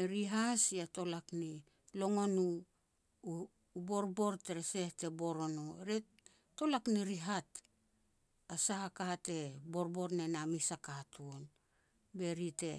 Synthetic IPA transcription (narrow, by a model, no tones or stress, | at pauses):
eɾiɦasiato̞lakni | lo̞ŋo̞nu | bo̞ɾbo̞ɾteɾese̞hte̞bo̞ɾo̞nuɾe | to̞lakniɾiɦat | asahakaate̞bo̞ɾbo̞ɾnenamisakatʰuon | be̞ɾite̞